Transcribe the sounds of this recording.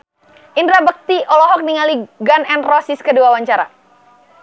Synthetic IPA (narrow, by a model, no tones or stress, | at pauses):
ʔindɾabək̚t̪iʔɔlɔɦɔk̚niŋaliɡanɛnrɔsiskəduawaɲt͡ʃaɾa̰